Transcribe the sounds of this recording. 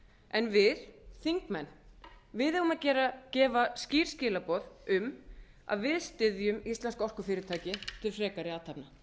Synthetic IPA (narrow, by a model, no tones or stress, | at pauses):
ʔɛnvɪðθiŋkmɛnː | vɪðɛɣʏmaðcɛːɾacɛːvasciːɾ̥scɪːlapɔːðʏm | a̰ðvɪðst̪ɪðjʏmist̪lɛnskɔr̥kʏfɪːɾɪɾt̪ʰaːcɪt̪ʰɪlfɾɛːkaɾɪaːt̪ʰapna